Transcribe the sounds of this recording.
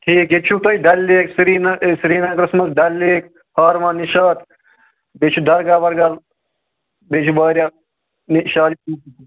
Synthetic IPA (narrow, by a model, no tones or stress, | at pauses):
ʈ̪ʰiːkjet͡ʃʰut̪ɐjɖɐlːeːksɾiːnɐsɾiːnɐkɾɨsmɐsɖɐlːeːk | haːɾmãːniʃaːt̪ | bet͡ʃʰud̪ɐɾɡaːʋɐɾɡɐl | bet͡ʃʰubaːɾja | niʃaːlikuː